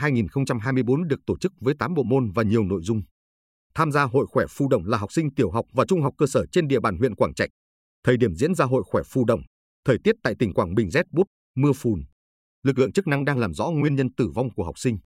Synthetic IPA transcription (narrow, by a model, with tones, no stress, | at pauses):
ɦaː˧jŋi˨˩nxə˧wŋ͡mt͡ɕa˧mɦaː˧jmɨ˧əjɓo˨˦nɗɨ˨˩ək̚t̪o˧˩t͡ɕɨ˦˥k̚vəː˨˦jt̪aː˨˦mɓo̰˧˨mo˧nvaː˨˩ɲi˨˩əwno̰˧˨jzʊ˧ŋ͡m | t̪ʰaː˧mzaː˧ɦo̰˧˨jxwɛ˧˩fu˧˩ɗə̰˧˨wŋ͡mlaː˨˩ɦa˨˩wk͡p̚sï˧ŋ̟t̪i˧˩əwɦa˨˩wk͡p̚vaː˨˩t͡ɕʊ˧ŋ͡mɦa˨˩wk͡p̚kəː˧səː˧˩t͡ɕe˧nɗḭ˧əɓaː˧˩nɦwḭ˧˨ənkwaː˧˩ŋt͡ɕa˨˩jk̟̚ | t̪ʰəː˨˩jɗi˧˩əmzḭ˧˥ənzaː˧ɦo̰˧˨jxwɛ˧˩fu˧˩ɗə̰˧˨wŋ͡m | t̪ʰəː˨˩jt̪i˦˥ət̚t̪a̰ː˧˨t̪ï˨˩ŋ̟kwaː˧˩ŋɓï˨˩ŋ̟zɛ˦˥t̚ɓu˦˥t̚ | mɨ˧əfu˨˩n | lɨ˨˩k̚lɨ̰˧˨əŋt͡ɕɨ˦˥k̚na˧ŋɗaː˧ŋlaː˨˩mzɔ̰˧˥ŋwi˧ənɲə˧nt̪ɨ˧˩va˧wŋ͡mku˧˩əɦa˨˩k͡p̚sï˧ŋ̟